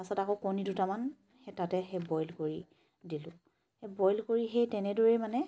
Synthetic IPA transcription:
asatakokonidutaman | hɛtatɛɦɛbɔjlkoɹi | dilʊ̃ | hebɔjlkoɹiɦejtɛnɛdoɹemanɛ

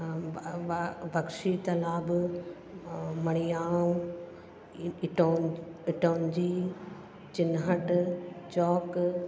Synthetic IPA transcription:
bɐkʃit̪ɐlaːb | mɐɽ̃ijaːũ | ʈoɪʈoːnd͡ʑiː | t͡ɕɪnɦɐʈt͡ɕɔːk

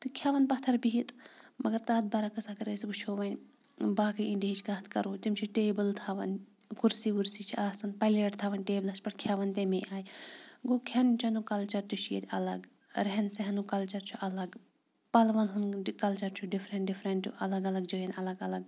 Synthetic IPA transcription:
t̪ɨkʰjaːʋɐnpɐt̪ʰɐɾbiɦit̪mɐɡɐɾt̪aːt̪̚bɐɾakɐsakɐɾesibut͡ʃʰoːʋɐnʲ | baːkiiɳɖiɐt͡ʃʰkɐːt̪ʰkɐɾuːt̪imt͡ʃʰiʈeːbɨlt̪ʰaːʋɐ̰n | kuɾsikuɾsit͡ʃʰiaːsɐnpɐleʈt̪ʰaːʋɐnʲʈeːblɐspɐʈkʰjaːʋɐnt̪emeʔaːjɡoːkʰʲɐnt͡ʃʰɐnukɐlt͡ʃɐɾt̪ut͡ʃʰjḛt̪ʰʲɐ̰lɐɡ | ɾeɦɛnseɦɐnukɐlt͡ʃɐɾt͡ʃʰuʔɐlɐɡ | pɐlʋɐnɦunkɐlt͡ʃɐɾt͡ʃʰuɖifʰɾeɳʈɖifʰɾɐɳʈṵʔɐlɐɡɐlɐɡd͡ʒojɐnɐlɐɡɐlɐɡ

